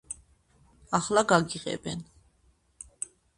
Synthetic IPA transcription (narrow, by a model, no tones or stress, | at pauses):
ɑχlaɡaɡiʁɛ̰bɛn